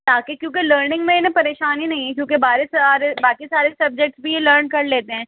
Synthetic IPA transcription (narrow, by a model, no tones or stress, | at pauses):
t̪aːkekjõːkeləːɾnɪ̃ŋɡmẽɪnẽpɐɾeːʃaːnɦinɐɦĩɦɛkjõːkebaːɾesaɾebaːkisaːɾesɐb̚d͡ʒɛk̚ʈsbʱijeləːɾnkɐɾleːt̪eɦɛ̃ː